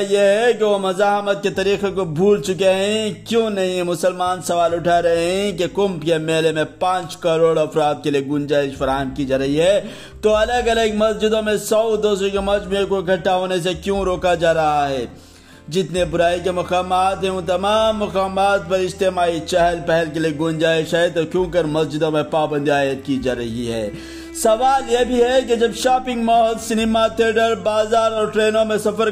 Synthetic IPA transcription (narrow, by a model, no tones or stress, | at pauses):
jeɦɛk̬eʋomɐzaːɦmət̪̚ket̪ɐɾiːxekobʱuːlt͡ʃʊk̬eɦɛ̃kjõːnɐɦĩɛmʊsəlmaːnsɐʋaːlʊʈʰaɾɐɦeɦɛ̃k̬ekʊmpkemeːlemẽpãːt͡ʃkɐɾoːɽɐfɾaːd̪̚kelieɡʊnd͡ʒaːɪʃfɐɾaːɦəmkid͡ʒaːɾɐɦiɦɛː | t̪oɐləɡɐləɡmɐsd͡ʒɪd̪õmẽsɐwd̪oːsɾõkemɐd͡ʒmẽkoɡʱɐʈːaɦoːnes̬ekjõɾoːkad͡ʒaːɾɐɦaɦɛː | d͡ʒɪt̪nebʊɾaːik̬emɐkaːmaːt̪ɦɛ̃ʊ̃t̪ɐmaːmːɐkaːmaːt̪pɐɾɪst̪eːmaːit͡ʃɛɦɛlpɛɦɛlk̬elieɡʊnd͡ʒaːɪʃɦɛt̪okjõːkəɾmɐsd͡ʒɪd̪õmẽpaːbə̃nd̪iaːjət̪̚kid͡ʒaːɾɐɦiɦɛ̰ː | sɐʋaːljebʱiɦɛked͡ʒɐbʃaːpɪ̃ŋɡmɔɦd̪sɪnɪmat̪ʰeːɖəɾbaːzaːɾɔːɾʈɾeːnõmẽsɐfəɾ